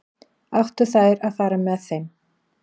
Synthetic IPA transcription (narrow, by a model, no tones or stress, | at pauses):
awht̪ʏ̥θaðɾaðfaːɾamɛðθejm